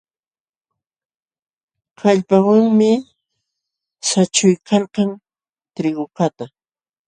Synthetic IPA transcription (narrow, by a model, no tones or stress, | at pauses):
kaʎpawaŋmɪ | sat͡ʃʊjkʰalqɑŋ | t̪ɾɪɢʊkat̪a